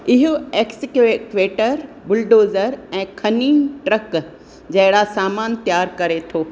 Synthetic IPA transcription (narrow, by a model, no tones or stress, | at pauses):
ɪɦʊeːksɪkekʋeːʈəɾ | bʊlɖoːzəɾɛ̃ːkʰɐniːnʈɾɐk | d͡ʑɐɦɪɽasaːmaːnt̪jaːɾkɐɾet̪ʰoː